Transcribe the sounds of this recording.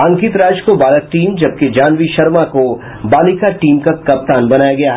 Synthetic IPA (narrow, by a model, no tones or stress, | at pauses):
ɐ̃ŋkɪt̪ɾaːd͡ʒkobaːlət̪̚ʈiːmd͡ʒɐb̚ked͡ʒaːnʋiʃɐɾmako | baːlikaʈiːmkakɐp̚t̪aːnbɐnaːjaɡɐjaːɦ